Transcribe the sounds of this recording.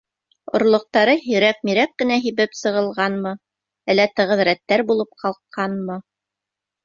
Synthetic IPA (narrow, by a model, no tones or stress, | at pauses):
ŏɾlˠŏq̚t̪ɑɾɤɦɵ̆ɾæk̚miɾækːɘ̆næɦiβɘpsɤ̆ʁɤ̆lˠʁɑnmɤ | ælːæt̪ɤ̆ʁɤ̆ðɾæt̪ːæɾbulˠɤp̚qʰɑlˠqʰːɑnmɤ